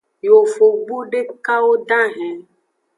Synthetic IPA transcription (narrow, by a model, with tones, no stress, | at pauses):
jo˨fo˨ɡ͡bo˦ɖe˦ka˦wo˦ɖã˦ɦɛ̃˨